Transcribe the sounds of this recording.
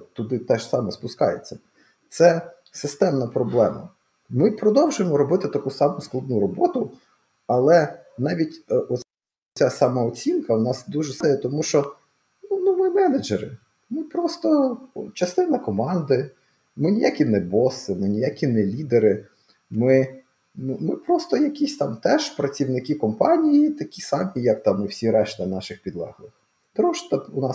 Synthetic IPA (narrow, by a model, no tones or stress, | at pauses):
t̪ʊd̪ɪt̪ɛʃsɑmɛspʊskɑ̰jet͡sʲːɐ | t̪sɛ | sɪst̪ɛmnɐpɾɔblˠɛmɐ̰ | mɪpɾɔd̪ɔwʒʊjemɔɾɔbɪt̪ɪt̪ɐkusɑmʊsklˠɐd̪nuɾɔbɔt̪ʊ | ɐlˠɛ | nɑʋʲitʲʔɔ | asɑmɑɔt͡sʲinkɐwnɑsd̪uʒɛsɛjɛt̪ɔmuʃt͡ʃɔ | nunʊʋɪmɛned͡ʒeɾɪ̰ | mɪpɾɔst̪ɔt͡ʃɐst̪ɪnɐkɔmɑnd̪ɪ | mɪnʲijakʲinɛbɔsɪmɪnʲijakʲinɛlʲid̪eɾɪ | mɪ | nmɪpɾɔst̪ɔjɐkʲisʲt̪ɑmt̪ɛʒpɾɐt͡sʲiwnɪkʲikɔmpɑnʲijit̪ɐkʲisɑmʲijɐk̚t̪ɑmuwsʲiɾɛʃt̪ɐnɑʃɪxpʲid̪lˠɑ̰ɦlˠɪx | t̪ɾɔʃt̪ɐʊnɑ